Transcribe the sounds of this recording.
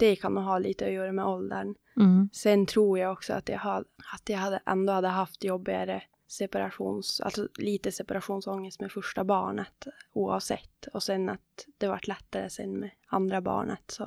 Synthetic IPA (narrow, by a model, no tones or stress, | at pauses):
d̪̥ɛkʰand̪ʊɦɑːliːt̪əœʏaɾəmɛʔɔld̪əɳ | sɛnːt̪ʰɾuːɾjaɡɔksɔa̰t̪ja̰haat̪jahad̪ːəʔɛnd̪ohad̪ːəɦaft̪jɔbːɪɡa̰ɾə | sɛpaɾaɧṵːnsa̰lsɔliːt̪əsɛpaɾaɧuːnsɔŋːəst̪mɛfœʂʈabɑːɳət̪uːɑ̰ːvsɛ̰t̪ːɔsɛnːat̪̚d̪̥ɛvaʈːlɛt̪ːaɾəsɛ̰nːmɛand̪ɾabɑ̰ːɳə̰t̪sɔ